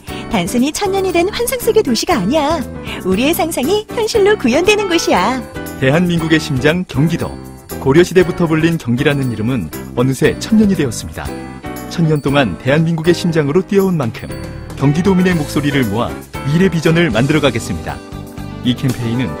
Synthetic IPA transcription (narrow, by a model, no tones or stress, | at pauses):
tansʰɯɲit͡ɕʰʌnɲʌɲidwe̞nɸwansʰaŋs͈ɯɡe̞toɕʰiɡaːɲia | uɾie̞sʰaŋsʰaŋiçjʌnɕʰiɭːokujʌndwenɯnɡʌɕʰijate̞ɦanminɡuɡe̞ɕʰimd͡ʑaŋkjʌŋɡidʌ̰ | koɾjʌɕʰide̞butʰʌbuʎːinkjʌŋɡiɾanɯniɾɯmɯnʌnɯsʰe̞t͡ɕʰʌnɲʌɲidweʌs͈ɯmɲida̰t͡ɕʰʌnɲʌnt͈oŋante̞ɦanminɡuɡe̞ɕʰimd͡ʑaŋɯɾot͈iʌunmaŋkʰɯm | kjʌŋɡidomine̞mok̚s͈oɾiɾɯɭmoɦa̰ | iɾe̞bid͡ʑʌnɯɭmandɯɾʌɡaɡe̞s͈ɯmɲida̰ | ikʰe̞mpʰe̞inɯn